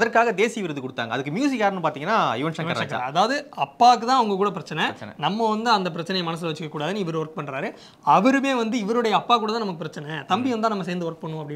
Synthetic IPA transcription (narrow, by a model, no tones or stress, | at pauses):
ɐðɐɾkaːɣɐd̪eːsijʋɪɾɐðɯkɔɽɯt̪ːa̰ːŋɡɐðɯkːɯmjuːs̬ɪkjaːɾnːɯ̃mpaːɾt̪iːŋɡɐnːaːɪʋɐnʂɐnʋɐɐnkɐ̰ɾɐðaːʋɐðɯɐpːaːk̬ːɯt̪ãːɐʋɐŋɡɐkuːɽɐp̬ɪɾɐt͡ʃːɐnɛ̰nɐmːɐʋɐnd̪ɯɐnd̪ɐpɪɾɐt͡ʃːɐnɐjɐmɐnɐs̬ɯlɐʋɐt͡ʃːɯkːɐkːuːɽaːðɯnːɪʋɐɾɯʋɐɾk̚pɐɳːɾaːɾɯ | ɐʋɐɾɯmeːʋɐnd̪ɯɪʋɐɾɯɽɐjɐɐpːaːk̬uːɽɐt̪ãːnɐmɐkːɯpɪɾɐt͡ʃːɐnɛt̪ɐmbiʋɐnt̪aːnɐmːɐs̬eːɾnd̪ɯʋɐɾk̚pɐɳːʊ̃ɐpːɐɽɪ